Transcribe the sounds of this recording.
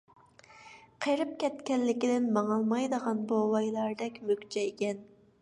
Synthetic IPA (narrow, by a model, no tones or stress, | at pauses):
qʰeɾɪp̚kʲɛt̪kʲɛlːɪkʲɪd̪ɪnmɑŋɑlˠmɑjd̪əʁɑnbowɑjlˠɑɾd̪ɛkʲmøkʲt͡ʃʰɛekʲɛn